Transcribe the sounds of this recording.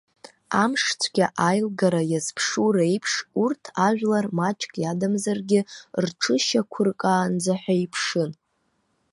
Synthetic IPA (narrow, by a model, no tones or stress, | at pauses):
amʂt͡sʷʰɡʲaʔajlɡaɾajazpʰʂuɾejpʰʂurtʰaʒᶣlarmat͡ʃʼkʼjadamzarɡʲɪrʈ͡ʂʰɨʃakʷʰʊrkʼaːnd͡zaħʷᶣaipʰʂɨn